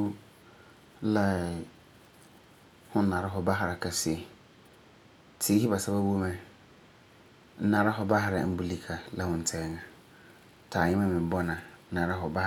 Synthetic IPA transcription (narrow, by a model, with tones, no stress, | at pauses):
la˦ | hʊ̃ː˦ã˨ɾa˦ɦɔ˨ba˦ɦa˨ɾa˨kʰa˨sɪ˦e˨ | tʰɪ˨˦hi˦ba˨sa˦ba˦bo˦mɛ̃˦ | n̩˦nã˨ɾa˦ɦɔ˨ba˦ɦa˨ɾa̰˨˦m̩˦bu˦li˦kʰa˨la˦hʊ̃˨n̩˨tʰɛ˨ɛ˨ŋã˨ | tʰaː˨ɲɪ˦mã˦mɪ̃˨bɔ˦nã˨˦nã˨ɾa˦ɦɔ˨ba˦